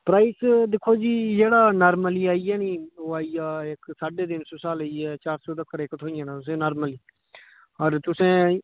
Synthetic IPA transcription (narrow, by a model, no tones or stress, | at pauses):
pɾaːɪːsd̪ɪkʰːoːd͡ʒiːd͡ʒeːɽaːnaːɾməliːaːiɛːnĩːoːaːiːaːɪksaːɖeːd̪ɪnsoːsaːləiɛːt͡ʃaːɾsoːd̪əkːəɾekət̪ʰɦoːiãːnãːt̪ʊs̬ẽːnaːɾməliː | ɔːɾt̪ʊsẽː